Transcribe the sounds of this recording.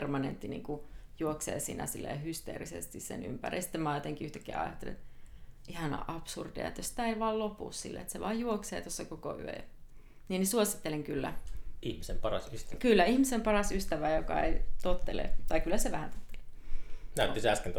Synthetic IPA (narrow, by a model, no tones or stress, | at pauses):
rmɑnḛnt̪ːinḭːŋkujuoksḛːsḭːnæ̰silːḛhyst̪ḛːrisḛst̪issḛny̰mpærʔḭsi̥t̪ːemɑˑːt̪eŋkiyht̪ækːeæ̰ɑ̰jɑt̪ːelḛt̪ʔihɑnɑ̰ʔɑpsurdiɑ̰et̪josi̥t̪æeiʋɑːllopṵssḭlːḛet̪seʋɑːjjuoksḛːt̪osːɑkoko̰y̰ø̰jɑ̰ | niːnisuosi̥t̪ːeleŋkylːæ̰ihmisempɑrɑsyst̪kylːæihmisempɑrɑsyst̪æʋæjokɑ̰ḛit̪ot̪ːelḛt̪ɑikylːæseʋæhænt̪o̥t̪ːe̥lenæˑyt̪ːisæskent̪